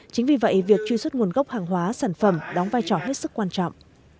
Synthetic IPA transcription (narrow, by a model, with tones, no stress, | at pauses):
t͡ɕï˨˦ŋ̟vi˨˩və̰˧˨ʔvi˨˩ək̚t͡ɕwi˧swə˦˥t̚ŋu˨˩ənɣə˦˥wk͡p̚haː˨˩ŋɦwaː˨˦saː˧˩nfə˧˩mɗɔ˨˦ŋ͡mvaː˧jt͡ɕɔ˧˩ɦe˦˥t̚sɨ˦˥kːwaː˧nt͡ɕɔ̰˧˨wŋ͡mʔ